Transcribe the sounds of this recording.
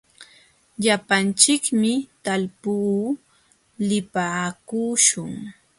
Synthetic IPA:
ʎapant͡ʃɪkmɪt̪alpuː | lɪpaːkuːʃʊŋ

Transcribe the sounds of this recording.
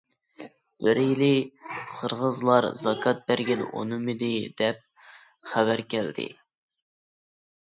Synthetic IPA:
b̥ɪɾjilɪqʰəɾʁəzlˠɑɾzɑkʰɑt̪̚bæɾɡʲɛn̰ʔo̰nɨmɨd̪ɪd̪ɛp̚ | χævæɾkʲæld̪ɪ̰

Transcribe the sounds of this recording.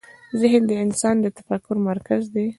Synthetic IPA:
zɪhnd̪əɪnsɑnd̪ət̪ḁfakːʊɾmaɾkazd̪e

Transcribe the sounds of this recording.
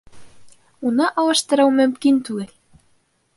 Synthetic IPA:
unɑʔɑwɑʃt̪ɤ̆ɾɑwmɵ̆mkint̪ʉɡɘl

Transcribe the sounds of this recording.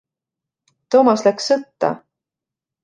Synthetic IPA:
t̪o̞ːmɑslæksːɤt̪ːɑ̰

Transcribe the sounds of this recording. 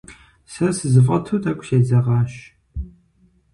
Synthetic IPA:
sɐsɨzɨfʁɐtʰuːtʰʼɐkʷʼʃeːzɐʁɑːɕ

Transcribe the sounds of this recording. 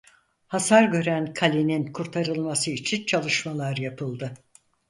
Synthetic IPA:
hasaɾɟø̞ɾænkʰalʲininkʰuɾt̪ʰaɾɯlˠmasɯit͡ʃʰint͡ʃʰalˠɯʃmalˠaɾjapʰɯlˠd̪ɯ

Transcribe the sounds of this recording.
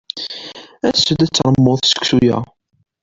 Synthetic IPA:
æsəd̪æt͡sːɾˤəmːʊðˤsə̥kʷsujæ̰

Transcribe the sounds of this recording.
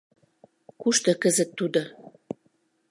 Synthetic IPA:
kuʃt̪ɤ̆kəzə̆t̪ːud̪o

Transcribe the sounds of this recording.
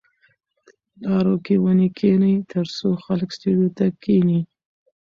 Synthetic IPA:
lɑɾokewənikʰenəjt̪əɾsoxaləksʈuɖjot̪akini

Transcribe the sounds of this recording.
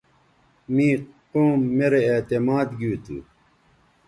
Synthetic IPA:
miːqoːmːeɾeːt̪emaːd̪ɡiːt̪ṵ

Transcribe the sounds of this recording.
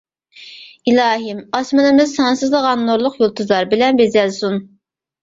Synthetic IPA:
ilɑːɦimɑsmɨnɨmɨzsɑnsɨzlˠəʁɑnːoɾlˠʊqjolˠt̪ʰuzlˠɑɾbilɛnbezɛlsun

